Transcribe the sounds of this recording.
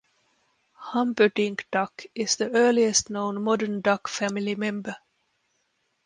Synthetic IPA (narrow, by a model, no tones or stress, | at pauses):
hʌ̃mbədɪ̃ŋkd̥ʌkʔɪzðiɜːliɨstnõʊ̃nmɔdəndʌkfæmɪlimɛ̃mbə